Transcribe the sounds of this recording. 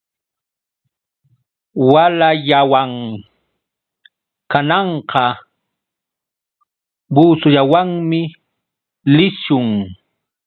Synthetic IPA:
walaʎawaŋ | kanɑɴqɑ | buːsʊʎawaŋmɪ | lɪʃʊŋ

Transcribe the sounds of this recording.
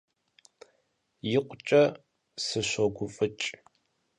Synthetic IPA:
jɪqʷʼt͡ʃʼɐ | sɨɕʷɔɡʷʊfʼɨt͡ʃʼ

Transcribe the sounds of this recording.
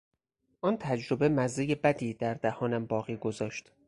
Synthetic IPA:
ʔɒːnt̪ʰæd͡ʒɾo̞be̞mæzejebæd̪iːd̪æɾd̪æhɒːnæmbɒːɣiːɡo̞zɒːʃt̪

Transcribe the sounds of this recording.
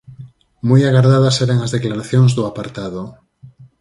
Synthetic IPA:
mujaɣaɾðaðaseɾaŋazðeklaɾaθjoŋzðuapaɾt̪aðo

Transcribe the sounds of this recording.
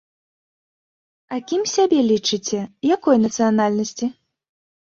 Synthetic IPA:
ɐkʲimsʲabʲɛlʲit͡ʂɨt͡sʲɛjakɔjnɐt̪sɨjanalʲnɐsʲt͡sʲi

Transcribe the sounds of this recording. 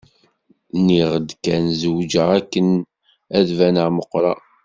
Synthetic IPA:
niʁəd̪kænzəwd͡ʒəʁækːən | æðvænəʁməqːɾˤɑ̰

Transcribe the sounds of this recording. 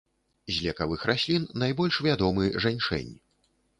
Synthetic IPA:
zʲlʲɛkavɨxɾʔasʲlʲinːajbɔlʲʂvʲad̪ɔmɨʐanʲt͡ʂɛ̰nʲi

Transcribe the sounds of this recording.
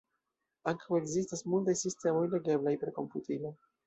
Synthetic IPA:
aŋkʰawe̞ɡzistasmultajsiste̞mo̞jle̞ɡe̞blajpeko̞mputilo̞

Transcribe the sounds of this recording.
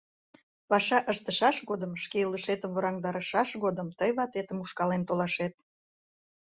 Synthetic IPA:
pɑʃɑʔəʃt̪əʃɑʃɣod̪əmʃkeələʃet̪əmvəɾɑŋd̪ɑɾəʃɑʃɣod̪əmt̪əjβɑt̪et̪əmuʃkɑlent̪olɑʃet̪̚

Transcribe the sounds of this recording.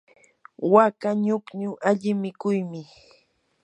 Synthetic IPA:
wakaɲʊkɲʊʔaʎɪmɪkʊjmɪ

